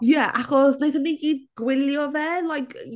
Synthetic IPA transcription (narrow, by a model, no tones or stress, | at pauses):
jɛʔaχɔsnejθənejkiːd̚ɡ̥wɪljɔvɛlajkʰ